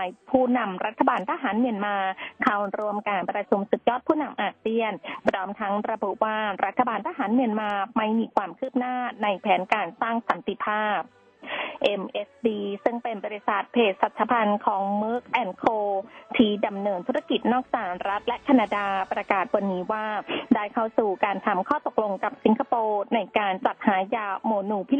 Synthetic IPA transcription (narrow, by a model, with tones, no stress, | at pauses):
a˧jpʰuː˥˩na˧mɾa˦˥t̪ʰːa˧baː˧nt̪ʰa˧ɦaː˩˦nmi˧ənmaː˧kʰa˧˩wɾu˧əmkaː˧npɾa˧t͡ɕʰu˧msu˨˩t̪̚jɔː˥˩t̪̚pʰuː˥˩na˧mʔaː˧˩k̚si˧˥˩ənpʰɾɔː˦˥mt̪ʰa˦˥ŋɾa˧bu˨˩ʔwaː˥˩ɾʔa˦˥t̪ʰːa˧baː˧nt̪ʰa˧ɦaː˩˦nmi˧ənmaː˧ma˥˩jmiː˧kʰwaː˧mkʰɯː˥˩p̚naː˥˩na˧jpʰɛː˩˦nkaː˧nsaː˥˩ŋsa˨˩˦nt̪i˧˩pʰaː˥˩p̚ | ʔe˧mʔe˦˥sdiː˧sɯ˥˩ŋpe˧nbɔː˧ɾi˧˩sa˨˩t̪̚pʰeː˨˩t̪̚sa˨˩t̪̚t͡ɕʰa˧˥pʰa˧nkʰɔː˩˦ŋmɯː˦˥k̚ʔɛ˧nkʰoː˧t̪ʰiː˥˩da˧mnɤː˧nt̪ʰu˦˥a˧ki˨˩t̪̚nɔː˥˩k̚t͡ɕaː˨˩kɾa˦˥t̪̚lɛ˦˥ʔkʰa˧na˧daː˧pɾa˧kaː˨˩t̪̚wa˧nːiː˦˥waː˥˩daː˥˩jkʰa˥˩wsuː˨˩kaː˧nt̪ʰa˧mkʰɔː˥˩t̪o˨˩k̚lo˧ŋka˨˩p̚si˨˩˦ŋkʰa˧poː˧na˧jkaː˧nt͡ɕa˨˩t̪̚haː˩˦jaː˧moː˧nuː˧˩pʰi˦˥